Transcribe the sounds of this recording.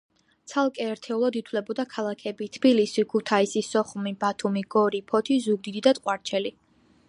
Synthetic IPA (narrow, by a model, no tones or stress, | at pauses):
t̪sʰalˠkʼɛːɾt̪ʰɛulˠad̪it̪ʰlɛbɔd̪akʰalˠakʰɛbit̪ʰb̥ilisikʰut̪ʰaisisɔχumibat̪ʰumiɡ̥ɔɾipʰɔt̪ʰizuɡ̚d̪id̪id̪at̪ʼqʼwaɾt͡ʃʰɛli